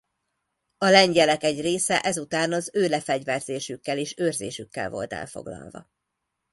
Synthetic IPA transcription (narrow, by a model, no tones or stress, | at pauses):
ɒlɛɲɟɛlɛkɛɟreːsɛʔɛzut̪aːnɒzøːlɛfɛɟvɛrzeːʃykːɛleːʃøːrzḛːʃykːɛ̰lvo̞̰lt̪ɛ̰lfo̞̰ɡlɒ̰lvɒ̰